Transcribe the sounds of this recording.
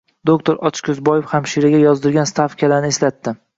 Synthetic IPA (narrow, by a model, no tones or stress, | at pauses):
d̪okt̪ʰoɾʔɒt͡ʃkʰʲʊzbɒjɪfhamʃiɾaɡʲajɒzd̪ɪɾɡʲanst̪ʰafkʲʰalanɪeslat̪ːɪ